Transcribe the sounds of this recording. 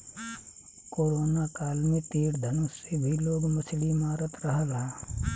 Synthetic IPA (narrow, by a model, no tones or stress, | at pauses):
koːɾoːnakaːlnit̪iːɽd̪ʱɐnusebʱiloːɡmɐslimaːɾət̪ɾəɦəlaː